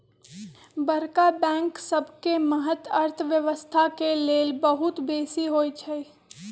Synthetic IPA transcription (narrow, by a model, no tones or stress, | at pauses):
bəɾkabɛ̃ːŋksəbʱkeməɦət̪əɾt̪ʰʋjəʋəst̪ʰakeleːlbəɦʊt̪beːsiɦoːjt͡ʃʰɛi